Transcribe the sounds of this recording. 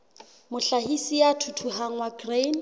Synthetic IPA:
mʊɬahisijatʰutʰuɦaŋ̩waɡren

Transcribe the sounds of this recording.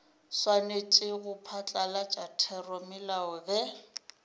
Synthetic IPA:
swanet͡ʃʼɪɣʊpʰat͡ɬʼalat͡ʃʼatʰɛrɔmɪlaɔbɛ

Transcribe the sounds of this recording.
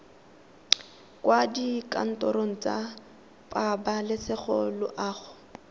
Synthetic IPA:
kwadikʼa̰n̩tʼɔɾoŋ̩t͡sa̰ | pʼabalɪsɪχɔlʊ̰ʔaːχʊ

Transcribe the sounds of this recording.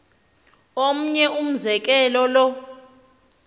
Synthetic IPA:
om̩ɲɛum̩zɛk̬ʼɛlɔlɔ

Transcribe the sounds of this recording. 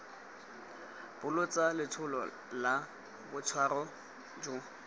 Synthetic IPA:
b̥ʊlʊt͡sʼalɪt͡sʰʊlɔ | la | bʊt͡sʰwarɔ | d͡ʒʊ

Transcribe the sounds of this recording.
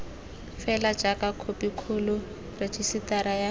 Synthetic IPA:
fɛlad͡ʒakakʰopikʰulʊ | ret͡ʃisit̪aɾaja

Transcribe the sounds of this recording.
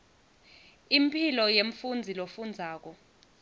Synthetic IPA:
impʰilɔjeɱfund͡zʱilofund͡zʱaːk̬ɔ

